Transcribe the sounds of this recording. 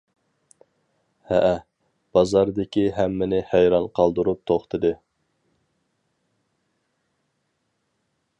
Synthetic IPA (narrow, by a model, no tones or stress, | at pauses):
hɛʔæ | b̥ɑzɑɾd̪ɪkʲiɦæmːɪnɪhæjɾɑnqʰɑlˠd̪uɾup̚t̪ʰoχt̪ʰɨd̪ɨ